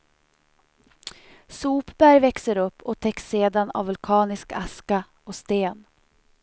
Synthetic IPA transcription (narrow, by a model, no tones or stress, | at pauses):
suːpbæɾvɛksəɾɵpːɔt̪ʰɛkseːd̪ana̰vːɵlkʰɑːnɪskaska | ɔst̪eːn